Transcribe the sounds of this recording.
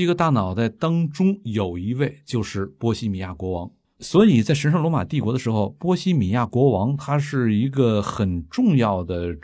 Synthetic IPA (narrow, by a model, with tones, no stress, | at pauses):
i˧˥ɡə˧t̪a˥˩nɑ˨˩ʊt͡sa˥˩ɪt̪ɑ˥ŋʈ͡ʂʊ˥ŋjo˨˩ʊi˧˥we˥˩ɪt͡ɕjo˥˧ʊʂɻ̩˥˩pwɔ˥ɕi˥mi˨˩ja̰˥˩kwɔ˧˥wɑ˧˥ŋ | swɔ˧˥i˨˩t͡sa˥˩ɪʂ̬ə˧˥nʂɑ˥˧ŋlwɔ˧˥ma̰˨˩t̪i˥˩kwɔ˧˥d̪ə˧ʂɻ̩˧˥xo˧ʊpwɔ˥ɕi˥mi˨˩ja˥˩kwɔ˧˥wɑ˧˥ŋt̪ʰa˥ʂɻ̩˥˩i˧˥ɡə˧xə˨˩nʈ͡ʂʊ˥˧ŋjɑ˥˩ʊd̪ə˩